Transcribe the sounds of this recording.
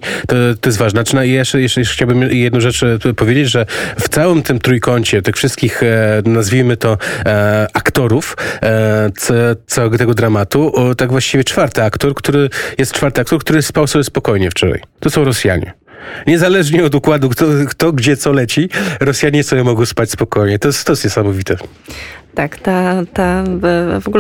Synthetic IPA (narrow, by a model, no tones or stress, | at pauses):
t̪ɔt̪ɔjɛs̬t̪vaʐnt͡ʂnaijɛʂjɛʂjɛʂxt͡ɕawbɘmjɛjɛd̪nɔ̃w̃ʐɛt͡ʂpɔvʲjed͡ʑed͡ʑʐɛft̪sawɘmt̪ɘmt̪ɾujkɔɲt͡ɕɛt̪ɘxfʂɘst̪̚kʲixnazvʲimɘt̪ɔ | akt̪ɔɾuf | t̪ɔt̪sawɛɡɔt̪ɛɡɔd̪ɾamat̪ut̪aɡvwaɕt͡ɕivʲjɛt͡ʂfaɾt̪ɘakt̪ɔɾkt̪uɾɘjɛst̪̚t͡ʂfaɾt̪ɨakt̪ɔɾk̚t̪uɾɘspawsɔbʲjɛspɔkɔjɲɛft͡ʂɔɾa̰jt̪ɔsɔ̃w̃ɾɔsʲja̰ɲɛ̰ | ɲɛzalɛʐɲɛɔd̪ukwad̪ukt̪ɔkt̪ɔɡd͡ʑɛt̪sɔlɛt͡ɕiɾɔsʲjaɲɛsɔjɛmɔɡɔ̃w̃spat͡ɕʲspɔkɔjɲɛt̪ɔɛst̪t̪ɔjɛst̪ɲɛsamɔvʲit̪ɛ | t̪akt̪at̪a | vɔɡul